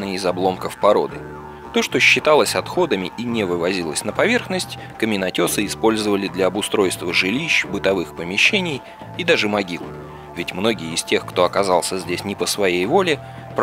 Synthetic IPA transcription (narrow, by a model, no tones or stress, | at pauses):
ɨɪzɐblˠo̞mkəfpɐɾo̞̰d̪ɨ | t̪o̞ʂt̪o̞ɕːɪt̪alˠəsʲɐt̪xo̞d̪əmʲɪʔinʲɪvɨvɐzʲilˠəsʲnəpɐvʲe̞rxnəsʲtʲ | kəmʲɪnɐtʲo̞sɨɪspo̞lʲzəvəlʲɪd̪lʲɐɐbʊst̪ɾo̞jst̪vəʐɨlʲiɕbɨt̪ɐvɨxpəmʲɪɕːenʲɪj | id̪aʐɨmɐɡʲilˠ | vʲɪtʲmno̞ɡʲɪjəːsʲtʲe̞xkt̪o̞ɐkɐzɑlˠsʲəzʲdʲesʲnʲɪpəsvɐjejvo̞lʲɪ | pɾ